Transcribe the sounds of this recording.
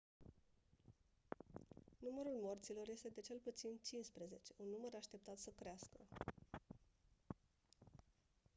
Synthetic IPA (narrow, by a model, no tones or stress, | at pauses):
numəɾulmo̞rt̪silo̞rje̞st̪e̞d̪e̞t͡ʃe̞lput̪sint͡ʃinspɾeze̞t͡ʃe̞unːuməɾaʃt̪e̞p̚t̪at̪səkɾeaskə